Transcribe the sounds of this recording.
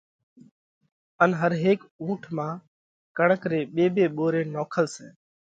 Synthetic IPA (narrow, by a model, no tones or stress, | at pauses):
ənɦəɾɦeːkũːʈʰmãː | kəɳəkɾeːɓeːbeːɓoːɾeːnoːkʰəlsɛ̰ː